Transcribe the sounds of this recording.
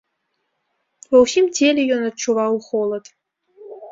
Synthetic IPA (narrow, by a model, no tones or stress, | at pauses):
vɐwsʲimd͡zʲelʲejɔnɐt̚t͡ʃuvɑwxolˠɐt̪